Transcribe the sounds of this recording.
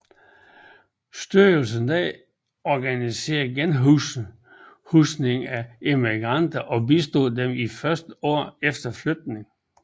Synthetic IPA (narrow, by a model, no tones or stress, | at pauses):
sd̥yɐl̩s̬ənd̥ɛ̰ | ɒɡ̥ænise̝̰ːɐɡ̥enɦu | husne̝ŋæe̝miɡ̥ʁɑn̰d̥ɐʔɒ̽bisd̥o̝ðˠd̥emifɶɐsd̥əɒ̰ːefd̥ɐflød̥̚ne̝ŋ